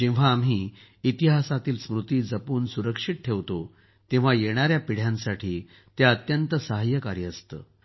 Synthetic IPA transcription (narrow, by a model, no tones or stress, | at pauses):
d͡ʑĩʋ̤aːmɦiː | it̪iɦasat̪iːlsmɾut̪iːd͡zəpuːnsuɾəkʂiʈ̪̚ʈʰeʋt̪o | t̪ĩʋ̤ajeɽ̃aɾjapiɽ̤jãnsaʈʰiː | t̪jaət̪jənt̪əsəɦəjəkaɾjəəst̪ə̰ː